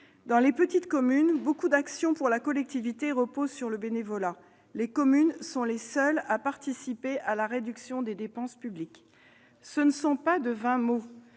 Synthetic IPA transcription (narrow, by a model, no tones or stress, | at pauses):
d̪ɑ̃lepət̪it̪kɔmynbokud̪aksjɔ̃puʁlakɔlɛk̚t̪ivit̪eʁəpozsyʁləbenevɔla | lekɔmynsɔ̃lesœlapaʁt̪isipeʔalaʁed̪yksjɔ̃d̪ed̪epɑ̃spyblik | sənəsɔ̃pad̪əvɛ̃mo